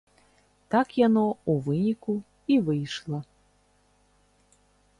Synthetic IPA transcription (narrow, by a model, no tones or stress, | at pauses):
t̪akjanɔuvɨnʲiku | ivɨjʂlˠɐ